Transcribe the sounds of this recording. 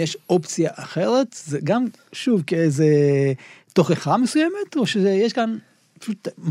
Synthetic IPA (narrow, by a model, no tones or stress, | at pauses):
jɛʃopt͡sijaʔaχeʁet̪zeɡam | ʃuvkeejze | t̪oχeχamesujɛmet̪oʃezejeʃkan | pḁʃut̪m